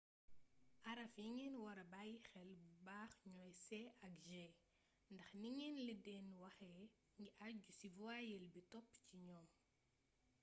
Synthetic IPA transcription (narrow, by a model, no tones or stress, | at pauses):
ʔɐɾɐfjiŋɛnwɐɾɐbajxɛlbubaːxɲɔjsɛɐkʒɛ | ndɐxniŋɛnlidɛnwɐxɛ | ŋɡiʔaɟusivuajɛlbitɔpːciɲɔːm